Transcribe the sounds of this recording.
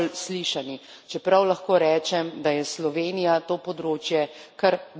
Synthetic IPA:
lsliːʃani | t͡ʃɛpɾawlaxkoːɾɛːt͡ʃɛmd̪ajɛslɔʋeːnijat̪oːpɔd̪ɾoːt͡ʃjɛkaɾ

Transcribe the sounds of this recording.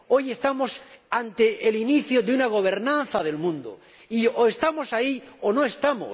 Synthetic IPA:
o̞je̞st̪amo̞sant̪e̞ʔːliniθjoðeunaɣ̞o̞β̞e̞ɾnãnθaðe̞lmũnd̪o̰ | ioe̞st̪amo̞saiono̞e̞st̪amo̰

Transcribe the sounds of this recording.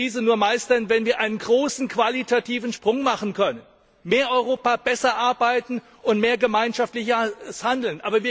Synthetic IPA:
iːzənuːɐmaɪstɐnvɛnviːɐʔaɪnənɡʁoːsn̩kv̥alitʰatʰiːvn̩ʃpʁ̥ʊŋmaχn̩kʰœnən | meːɐʔɔʏʁoːpaːb̥ɛsɐʔaɐbaɪtn̩ | ʊntmeːɐɡəmaɪnʃaftlɪçɐshandl̩nʔa̰ːbɐviːɐ

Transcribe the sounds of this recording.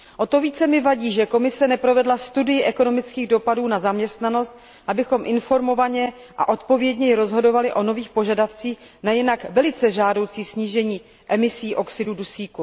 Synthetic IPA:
ʔo̞t̪o̞viːt͡sɛmɪvaɟiːʒɛko̞mɪsɛnɛpɾo̞vɛdlast̪udɪjɪʔɛko̞no̞mɪt͡skiːɣdo̞paduːnazamɲɛst̪nano̞st̪̚ | ʔabɪxo̞mʔɪnfo̞ɾmo̞vaɲɛ | ʔa̰ʔo̞t̪po̞vjɛdɲɛjɪɾo̞zɦo̞do̞valɪʔo̞no̞viːxpo̞ʒadaft͡siːxnajɪnakvɛlɪt͡sɛʒaːdo̞wt͡siːsɲiːʒɛɲiː | ʔɛmɪsiːʔo̞ksɪdudusiːku

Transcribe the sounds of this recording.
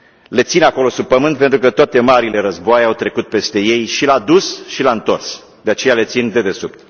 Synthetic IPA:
le̞t̪sinako̞lo̞sub̚pəmɨnt̪̚pe̞nt̪ɾukət̪oat̪e̞maɾile̞ɾəzboajawt̪ɾe̞kut̪̚pe̞st̪e̞je̞jʃilad̪usʃilaɨnt̪o̞rs | d̪e̞at͡ʃe̞jale̞t̪sind̪e̞d̪e̞supt̪

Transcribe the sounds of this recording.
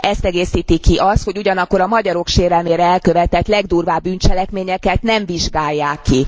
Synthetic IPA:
ʔɛst̪ɛɡeːsiːt̪ikiʔɒst̪ho̞ɟuɟɒnɒkːo̞ɾɒmɒɟɒɾo̞kʃeːɾɛlmeːɾɛɛlkø̞vɛt̪ɛt̪lɛɡd̪uːrvaːbːynt͡ʃɛlɛkmeːɲɛkɛt̪nɛɱviʒɡaːjːaːkːi

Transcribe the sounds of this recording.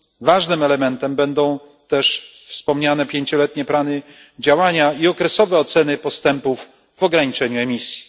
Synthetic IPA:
vaʐnɘmɛlɛmɛnt̪ɛmbɛnd̪ɔ̃w̃ | t̪ɛʂ | fspɔmɲanɛpʲjeɲt͡ɕɔlɛt̪ɲɛplanɘ | d͡ʑawaɲaiɔkɾɛsɔvɛɔt̪sɛnɘpɔst̪ɛmpuv | vɔɡɾaɲit͡ʂɛɲuɛmʲisʲji̥

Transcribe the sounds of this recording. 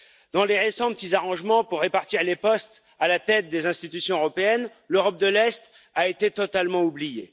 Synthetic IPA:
d̪ɑ̃leʁesɑ̃pət̪izaʁɑ̃ʒmɑ̃puʁːepaʁt̪iʁlepɔst̪ | alat̪ɛt̪̚d̪ezɛ̃st̪it̪ysjɔ̃øʁɔpeɛn | løʁɔp̚d̪əlɛst̪ | aet̪et̪ɔt̪almɑ̃ublijḛ

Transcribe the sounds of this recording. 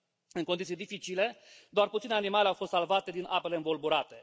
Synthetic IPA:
ɨnŋko̞nd̪it̪sijd̪ifit͡ʃile̞d̪oarput̪sinanimaleawfo̞st̪salvat̪e̞d̪inʔapeleɨnbolbuɾat̪e̞

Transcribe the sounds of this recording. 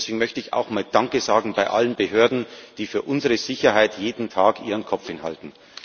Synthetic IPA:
sv̥eːɡŋ̩mœçtəɪça̰ʊxmaːld̥aŋkəzaːɡŋ̩baɪʔa̰lənbəɦøːɐdn̩d̥iːfyːɐʔʊnzəʁəz̥ɪçɐɦaɪtjeːdn̩tʰaːkʔiːʁənkʰɔp͡fhɪnɦa̰ltn̩

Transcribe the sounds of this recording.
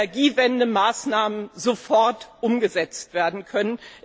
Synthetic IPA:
ɐɡiːvɛndəmaːsnaːmənzofɔɐtʔʊmɡəzɛt͡stv̥eːɐdn̩kʰœnən

